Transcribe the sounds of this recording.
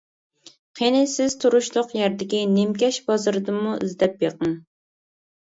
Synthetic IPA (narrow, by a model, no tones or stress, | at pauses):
qʰenɪsɪz̥t̪ʰuɾuʃlˠʊqjɛɾd̪ɪkʲinɪmkʲɛʃbɑzɨɾɨd̪ɨmuyzd̪ɛp̚beqɨŋ